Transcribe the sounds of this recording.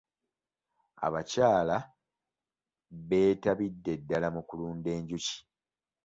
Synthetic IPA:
a̰βacaːla | βe̞ːtaβidːe̞dːalamukuluːnde̞ːɲɟuci̥

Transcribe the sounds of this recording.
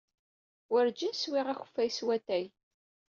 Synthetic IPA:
wəɾd͡ʒinswiʁæxə̥fːæjswæt̪æj

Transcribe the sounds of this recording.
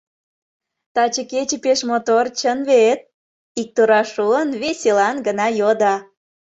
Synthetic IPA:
t̪ɑt͡ɕəket͡ɕĕpeʃmot̪ort͡ɕənβet̪̚ | ik̚t̪uɾɑʃuənβesʲelɑnɡənɑjod̪ɑ

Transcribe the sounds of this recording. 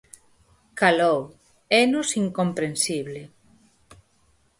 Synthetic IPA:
kalow | ɛnosiŋkompɾensiβle

